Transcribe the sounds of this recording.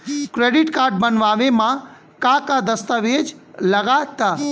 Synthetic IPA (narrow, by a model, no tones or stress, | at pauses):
kɾeːɖɪʈkaːɾɖ̚bənʋaːʋemã | kakad̪əst̪əʋeːd͡ʒləɡat̪a